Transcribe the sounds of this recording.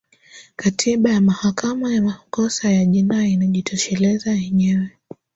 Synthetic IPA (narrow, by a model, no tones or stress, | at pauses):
katʰiɓajamahakamajamakɔsajaʄinainaʄitʰɔʃɛlɛzajɛɲɛwɛ